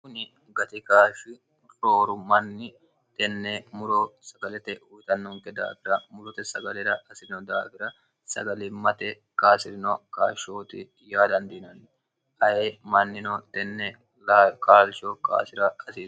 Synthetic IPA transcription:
kʊnɪ | ɡɐt̪ɪkaːʃɪ | ɾoːɾʊmɐnːɪ | t̪ɛnːɛmʊɾosɐɡɐlɛt̪ɛujt̪ɐnːoŋkɛd̪a̰ːfɪɾɐmʊlʊt̪ɛsɐɡɐlɛɾɐkʼɐsɪɾɪnɔd̪aːfɪɾɐ | sɐ̰ɡɐlɪmɐt̪ɛ | kaːsɪɾɪnɔkaːʃoːt̪ɪ | jaːd̪ɐnd̪ɪnɐnː | ʔɐjeːmɐnːɪnot̪ɛnːɛ | kʼaːlt͡ʃoːkʼa̰ːsɪɾɐkʼɐsiːs

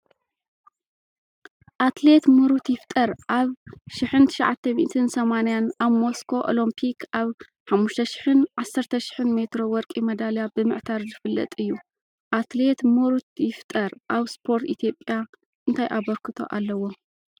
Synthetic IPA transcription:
ʔat̪le̞t̪mɨɾut̪jɪft̪ʼɐɾʔaβʃɪħɨnt̪ʰɨ̥ʃʕat̪ʰːɐmḭt̪ʰɨnsɐmanjanʔaβmo̞skʰo̞ʔo̰lompʰikʰaβ | ħamːuʃt̪ʰɐʃɪ̥ħɨnʕasːɐɾt̪ʰɐʃɪ̥ħɨnme̞t̪ɾo̞wɔɾkʼimɐd̪aljabɨmɨʕt̪ʰaɾzɨfɨlːɐ̰t̪ʼɨjːu | ʔat̪le̞t̪mɨɾut̪jɪft̪ʼɐɾʔaβspʰo̞ɾt̪it̪ʰijo̞pʼːja | ʔɨnt̪ʰajʔaβɐɾkʰɨt̪ʰo̞̰ʔalːɐwo

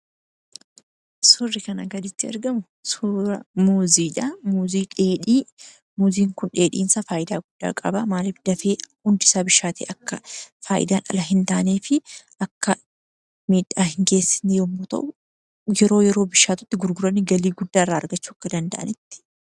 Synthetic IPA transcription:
sʊrːɪkɐnɐɡɐd̪ɪt̪ːɪɐ̰ɾɡɐmʊ | suɾɐmuːziːᶑɐmuːziːᶑeːᶑi | muːziːŋkʊnᶑe̞ːᶑḭːnsaːfaːʔɪd̪aːɡʊd̪̥ːa̰ːkʼɐ̰bɐmaːlɪfd̪ɐfeːhʊnd̪ɪsaːbɪʃaːt̪ḛːʔɐkːɐfaːʔɪ̰d̪aːnʔɐ̰lɐɦɪnt̪aːneːfɪʔɐkːɐ | miːᶑaːhɪŋɡe̞ːsːɪ̥niʊmːoːt̪ɐ̰ʔʊ | jɛɾo̞ːjɛɾo̞ːbɪʃːaːt̪ʊ̥t̪ːɪɡʊɾɡʊɾɐnːɪɡɐliːɡʊd̪ːaːrːaːɐɾɡɐt͡ʃːuːɐkːɐd̪ɐnd̪ɐʔɐ̰nɪt̪ːɪ̥

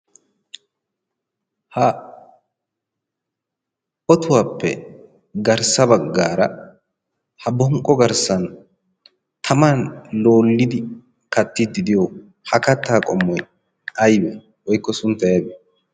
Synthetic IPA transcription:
hɐ | ɔt̪ʊwaːpːɛ̰ | ɡɐɾsɐbɐɡːaːɾɐ | hɐbɔŋkʼːɔɡɐɾsɐn | t̪ʰɐmaːnloːlːɪd̪ɪ | kɐt̪ːɪd̪ːɪd̪ɪjɔ | hɐkɐt̪ːaːkʼɔmːɔj | ɐjbɛ | wɔjkːɔsʊnt̪ːɐjɐbɛ

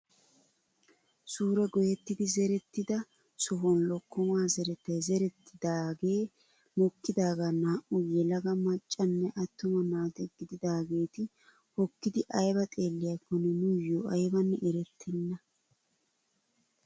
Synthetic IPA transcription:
suːɾɛɡɔjɛt̪ːɪd̪ɪzɛɾɛt̪ːɪd̪ɐ | sɔɦɔnlɔkːɔmaːzɛɾɛt̪ːɐjzɛɾɛt̪ːɪd̪aːɡe̞ː | mɔkːɪd̪aːɡaːnaːʔʊjɛlɐɡɐmɐt͡ʃʼːɐnːɛʔɐt̪ːʊmɐnaːt̪ɛɡ̥ɪd̪ɪd̪aːɡe̞ːt̪ɪ | hɔkːɪd̪ɪʔɐjbɐt̪ʼe̞ːlːɪjakːʊnɛnʊjoʔɐjbɐnːɛʔɛɾɛt̪ʰːɛnːɐ

